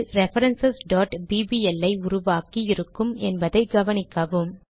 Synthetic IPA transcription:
ɾɛfɐɾɐnsɐsɖaːʈbiːbiːɛlːɐɪʊɾʊʋaːkiɪɾɯkːɯmɛnbɐðɐɪɡɐʋɐnɪkːɐʋɯm

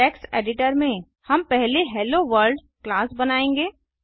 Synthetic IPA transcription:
ɛːksḛːɖɪʈəɾmẽ | hɐmpɛɦleɦɛːloʋəɾɖ | klaːsbɐnaːẽːŋɡeː

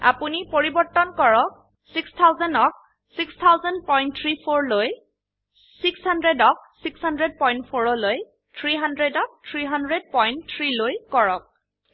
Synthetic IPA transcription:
a̰punipoɹibɔɹtːɔnkɔɹɔk̚ | sikstʰawzɔnɔk̚ | sikst̪ʰawzɔnpɔjn̚tʰɹipʰoɹloj | sikshandɹedɔk̚sikshandɹɛd̚pɔjntpʰoɹɔloj | tʰɹiɦandɹɛdɔk̚tʰɹiɦandɹɛd̚pɔjntʰɹilojkɔɹɔk̚

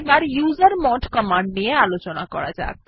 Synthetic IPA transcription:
baɾjuzəɾmɔʈkəmãɳɖniealot͡ʃɔnakɔ̰ɾa̰d͡ʒa̰k

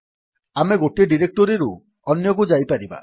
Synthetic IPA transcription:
ameɡoʈieɖiɾek̚ʈɔɾiɾu | ɔnjɔkud͡ʒajpaɾiba̰

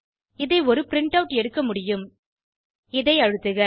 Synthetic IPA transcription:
ɪðɐɪɔɾɯpɪɾɪɳʈɐʋʈɛɽɯkːɐmʊɽɪjɯm | ɪðɐɪɐɻɯt̪ːɯɣɐ

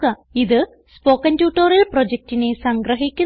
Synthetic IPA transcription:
ɐiðɨ | spo̞ːkːɐndjuːʈːoːɾɐlprod͡ʑek̚tinesɐŋɡɾɐɦikʲːu

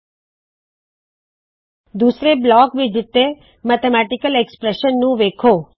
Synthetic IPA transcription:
d̪usɾeblɔkʋid͡ʒit̪ːe | mət̪emaʈikəlekspɾeʃənːũʋekʰo

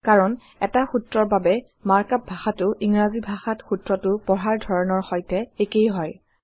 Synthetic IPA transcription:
kaɹɔn | ɛtaxutɹɔɹbabɛ | maɹkap̚bʱaxatʊʔiŋɹazibʱaxatxutɹɔtʊpɔɹaɹdʱɔɹɔnɔɹxɔjtɛekejɦɔj

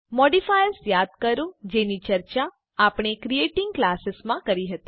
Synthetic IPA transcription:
mɔɖifajəɾsjad̪̚kəɾũd͡ʒenit͡ʃəɾt͡ʃaː | pɳ̃ekɾijeʈɪŋɡklasɪsmãkəɾiɦət̪i

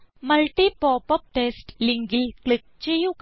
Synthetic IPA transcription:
mɐlʈipɔːpɐp̚ʈeːsʈliŋɡɪlkɭɪk̚t͡ʃejuk

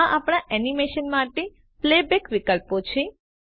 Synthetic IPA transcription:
ãʔapɽ̃ãʔɛnimeʃənmaʈe | plebekʋikəlpot͡ʃʰe

